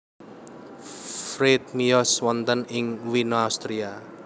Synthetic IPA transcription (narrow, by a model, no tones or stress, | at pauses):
fɾet̪̚miɔswɔnt̪ənɪŋwinoawst̪ɾia